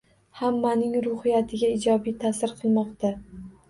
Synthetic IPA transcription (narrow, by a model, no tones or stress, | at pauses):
hamːanɪŋɾʊhɪjat̪ʰɪɡʲaɪd͡ʒɒbijt̪ʰasɪɾqʰɨlˠmɒqt̪a